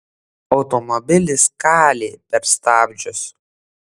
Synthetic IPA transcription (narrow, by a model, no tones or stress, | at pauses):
ɒʊt̪ɔmɔbʲɪlʲɪskɑːlʲeːpʲɛɾst̪ɑːbʲd͡ʒʲʊs